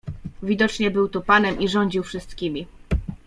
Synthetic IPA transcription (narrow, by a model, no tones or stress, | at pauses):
vʲid̪ɔt͡ʂɲɛbɘwt̪ɔpanɛmʔiʐɔɲd͡ʑiwfʂɘst̪kʲimʲi